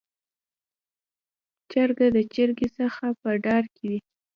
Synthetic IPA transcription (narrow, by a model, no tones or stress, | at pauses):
t͡ʃaɾɡad̪ət͡ʃəɾɡesəxapəɖɑɾked̪i